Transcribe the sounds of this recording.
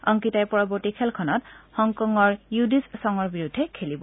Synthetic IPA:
ɔŋkitajpɔɹɔbɔɹtikʰɛlkʰɔnɔtxɔŋkɔŋɔɹjudissɔŋɔɹbiɹudʱːɛkʰelibɔ

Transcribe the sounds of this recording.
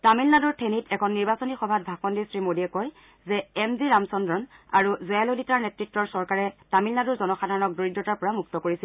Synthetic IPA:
tamilnaduɹtʰenitʰɛkʰɔnːiɹbasonixɔbʱat̚bʱakɔndisɹimodiɛkɔj | zɛɛmziɹamsɔndɹɔna̰ɹuzɔjaloditaɹnɛtɹitːɔɹsɔɹkaɹɛtamilnaduɹzɔnɔxadʱaɹɔnɔk̚doɹidːɔtaɹpɔɹamuk̚tɔkoɹisil

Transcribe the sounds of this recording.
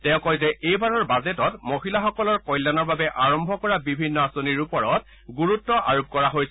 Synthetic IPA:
tɛʊ̃kɔjzɛʔejbaɹɔɹbazɛtɔtmoɦilaxɔkɔlɔɹkɔjlːanɔɹbabɛʔaɹɔmbʱɔkɔɹabibʱinːɔasoniɹupɔɹɔt̚ | ɡuɹutːɔʔaɹup̚kɔɹaɦojs

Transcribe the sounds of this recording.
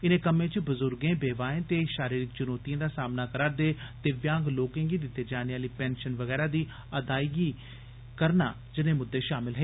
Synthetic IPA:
ɪnẽːkəmẽːt͡ʃbʊzʊɾɡẽːbeːʋaːẽːt̪eːʃaːɾiːɾɪk̚t͡ʃʊnoːt̪iãːd̪aːsaːmnaːkəɾaːɾd̪eːt̪eːʋjãːŋɡloːkẽːɡiːd̪ɪt̪ːeːd͡ʒaːneaːliːpɛ̃ːnʃənʋəɣɛːɾaːd̪iː | əd̪aːiɡiː | kəɾna̰ː | d͡ʒɪnẽːmʊd̪ːeːʃaːmɪlɦɛeː

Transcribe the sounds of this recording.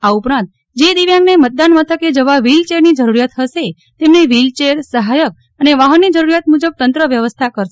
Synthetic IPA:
aupɾãnt̪ | d͡ʒed̪iʋjãŋɡnemət̪̚d̪anmət̪ʰəked͡ʒəʋaʋilt͡ʃeɾnid͡ʒəɾuɾijat̪ɦəʃe | t̪emneʋilt͡ʃeɾsəɦajək̚ | əneʋaɦənːid͡ʒəɾuɾjat̪mud͡ʒəb̚t̪ənt̪ɾəʋjəʋəst̪ʰakəɾʃe

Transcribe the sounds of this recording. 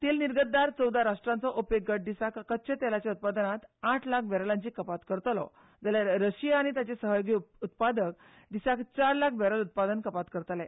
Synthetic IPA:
t̪iːlniɾɡət̪d̪aɾt͡səwd̪aɾaʂʈɾãnt͡sɔʔopekɡəʈ̚ɖ̪isakkət̪ːɕʰet̪ɛlat͡ɕjaut̪̚pad̪ənat̪aʈʰlak̚ʰbʱɛɾəlãɲt͡ɕiːkəpat̪kəɾt̪lɔ̰ | d͡zalaɾəɕiaːɽ̃it̪jat͡ɕesəɦəjoɡiːut̪pad̪ək̚ | d̪isakt͡ɕaɾlakʰbɛɾəlut̪̚pad̪ənkəpat̪kəɾt̪lɛ̃

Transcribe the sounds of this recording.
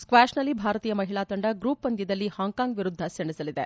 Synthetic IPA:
skʋæːʃnɐlːibʱaːɾɐt̪iːjɐmɐɦiɭaːt̪ɐɳɖɐɡɾuːpːɐnd̪jid̪ɐlːihaːŋkaːŋɡʋiɾud̪ʱːɐseɳisɐlid̪ḛ

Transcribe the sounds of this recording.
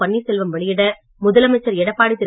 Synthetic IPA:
ɐɳːisɛlʋɐmʋɐɭɪjɪɽɐ | mʊðɐlɐmɐɪt͡ʃːɐɾɛɽɐpːaːɽɪt̪ːɪ

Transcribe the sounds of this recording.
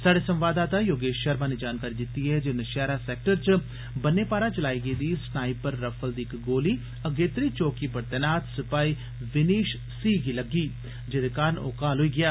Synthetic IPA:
saːɖeːsə̃mʋaːd̪aːt̪ãjoːɡeːʃəɾmãːned͡ʒaːnkaːɾiːd̪ɪt̪iɦɛːd͡ʒenəʃɛːɾasɛːk̚ʈəɾt͡ʃ | bənːeːpaːɾat͡ʃəlaːiːɡəid̪iːsnaːipəɾːəpʰəld̪iːɪkɡoːliː | əɡeːt̪ɾiːt͡ʃoːkiːpəɾt̪ɛnaːt̪sɪpaːiː | ʋɪniːʃ | siːɡiləɡiː | d͡ʒeːd̪ekaːɾəno̰ːkaːlɦoiːɡɪjaː

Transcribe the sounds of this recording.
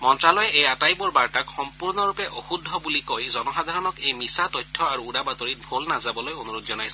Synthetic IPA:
mɔntɾalɔjeejatajbɔɾbaɾʈakxɔmpuɾnɔɾupeʔoxud̪ʱːɔbulikojzɔnɔsad̪ʱaɾɔnɔkejmisat̪ɔjtʰːɔaɾuːɽabat̪ɔɾit̪̚bʱolnazabɔlojonuɾud̪zɔnajs

